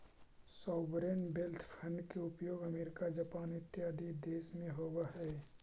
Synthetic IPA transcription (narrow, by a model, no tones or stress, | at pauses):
sɔːʋɾeːnbelt̪ʰpʰə̃ɳɖkeʊpjoːɡəmeːɾɪkad͡ʒɐpaːnɪt̪ːɪjaːd̪ʱid̪eːʃmẽɦoːwaɦɛː